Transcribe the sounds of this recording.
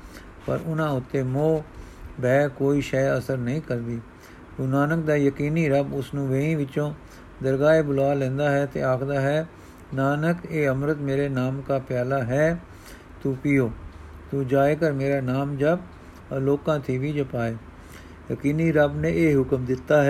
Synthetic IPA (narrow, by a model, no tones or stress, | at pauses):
pə̰ɾʊnãːʊt̪ːeːmõː | bɛːkoːiːʃɛːəsəɾnəĩːkəɾd̪iː | t̪uːnaːnək̚d̪aːjəkiːniːɾəbʊsnũːʋeĩːʋɪt͡ʃõː | d̪əɾɡaːeːbʊlaːlɛ̃ːnd̪aːɦɛːt̪ḛːaːkʰd̪aːɦɛː | naːnəkeːəmɾət̪meːɾeːnaːmkaːpjaːlaːɦɛː | t̪ũːpɪjoː | t̪ũːd͡ʒaːekəɾmeːɾaːnaːmd͡ʒəb | loːkãːt̪ʰiːʋiːd͡ʒəpaːeː | jəkiːniːɾəbnẽːʔeːɦʊkəmd̪ɪt̪ːaːɦɛː